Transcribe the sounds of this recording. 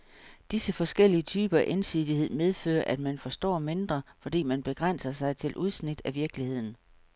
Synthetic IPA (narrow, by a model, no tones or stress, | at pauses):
d̥isəfɒ̽sɡ̥el̰iət͡sʰyːb̥ɐæʔensiðˠihe̝ð̞̰ˠmeð̞ˠfø̰ːɐʔæd̥mænfɒ̽sd̥ɒ̰ːme̝nd̥ʁɐfɒ̽d̥ḭːmænb̥e̝ɡ̥ʁan̰sɐsɑ̈ɪt͡sʰe̝lʔuð̞ˠsnid̥æʋiɐɡ̥lihe̝ð̰ˠn̩